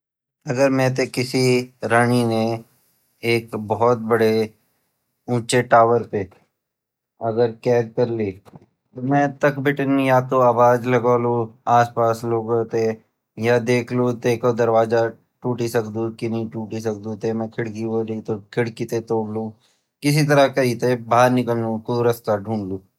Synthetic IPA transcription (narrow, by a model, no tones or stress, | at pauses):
ɐɡəɾmɛ̃t̪̬ekɪsiɾaɳ̃ine | eːkbɔɦɔt̪̚bɐɽe | ũːt͡ʃeʈaːʋəɾpeː | ɐɡəɾkɛːɡkɐɾliː | t̪omɛ̃ːt̪ɐkbʱɪʈənjat̪oaːbaːd͡ʒlɐɡaːluaːspaːsloːɡot̪e | jad̪eːkʰlut̪eːkod̪ɐɾʋaːza | ʈuːʈisɐkd̪ũkinɐĩʈuːʈis̬ɐk̚d̪ũt̪emɛ̃kʰɪɽkiɦoːlit̪okʰɪɽkit̪et̪oːɽlũ | kɪs̬it̪̬ɐɾakɐɦit̪ebaːɾnɪkəlnũkuɾɐst̪aɖʱũːɳluː